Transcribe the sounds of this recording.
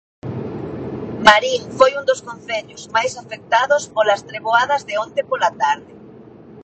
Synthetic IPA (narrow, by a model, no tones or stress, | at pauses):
maɾilfojund̪oskonθɛʎʊzmajsafek̚t̪aðʊspolɐst̪ɾeβoaðɐzðɪont̪epolat̪aɾðɪ